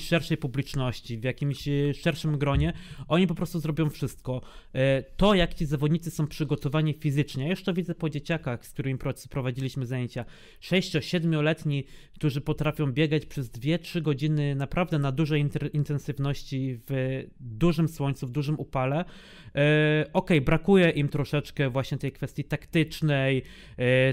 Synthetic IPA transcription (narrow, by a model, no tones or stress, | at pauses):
ʂɛɾʂɛjpublʲit͡ʂnɔɕt͡ɕivjakʲimɕʂɛɾʂɘmɡɾɔɲɛʔɔɲip̬ɔpɾɔst̪uzɾɔbʲjɔ̃w̃fʂɘst̪̚kɔ | t̪ɔjakt͡ɕizavɔd̪ɲit̪ɨsɔ̃w̃pʂɘɡɔt̪ɔvaɲifʲizɘt͡ʂɲɛjajuʂt̪ɔvʲid̪zɛpɔd͡ʑet͡ɕakaxsk̚t̪uɾɘmʲipɾɔpɾɔvad͡ʑilʲiɕmɘzajeɲt͡ɕa | ʂɛjɕt͡ɕɔɕɛd̪mʲjɔlɛt̪ɲikt̪uʐɘpɔt̪ɾafʲjɔ̃w̃bʲjɛɡat͡ɕpʂɛzd̪vʲjɛtʂɘɡɔd͡ʑinɘnapɾavd̪ɛnad̪uʐɛj̪ʔint̪ɛnsɘvnɔɕt͡ɕivd̪uʐɘmswɔɲʲt̪suvd̪uʐɘmupalɛ | ʔɔkɛjbɾakujɛʔimt̪ɾɔʂɛt͡ʂkɛvwaɕɲɛt̪ɛjkfɛst̪ʲjit̪akt̪ɘt͡ʂnɛj